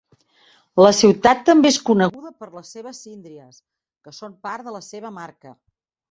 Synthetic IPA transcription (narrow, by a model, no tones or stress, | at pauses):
ləsiwt̪at̪ːəmbeeskunəɣuðəpəɾləsːeβ̞əsind̪ɾiəs | kəsompaɾðələseβ̞əmaɾkə